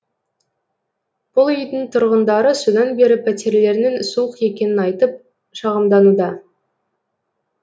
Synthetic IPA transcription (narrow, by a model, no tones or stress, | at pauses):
b̥ʊlˠʏjd̪ɪŋt̪ʰʊɾʁənd̪ɑɾəsud̪ɑnbe̞ɾɪpʰæt̪e̞ɾle̞ɾnensuəqje̞kʲe̞nɪnɑjt̪əp̚ | ʃɑʁəmd̪ɑnud̪ɑ